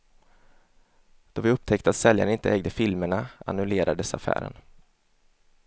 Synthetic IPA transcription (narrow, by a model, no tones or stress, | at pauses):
d̪̥ɔvɪɵp̚ːt̪ʰɛkt̪at̪sɛljaɳənɪnt̪əɛːɡd̪əfɪlməɳaa̰nɵleːɾʔaɖ̪əsa̰fæ̰ːɾə̰n